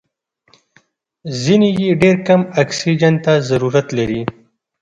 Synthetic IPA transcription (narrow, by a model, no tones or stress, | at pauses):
zinijeɖeɾkamaksid͡ʒant̪azaɾuɾat̪laɾi